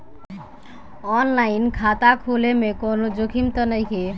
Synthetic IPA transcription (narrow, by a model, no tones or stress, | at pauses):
ɔnlainkʰat̪akʰulemekonod͡ʒokʰimt̪ənəjkʰe